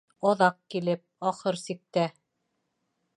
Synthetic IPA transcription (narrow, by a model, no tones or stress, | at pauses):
ɑðɑq̚kilɘp̚ɑχɤɾsik̚t̪æ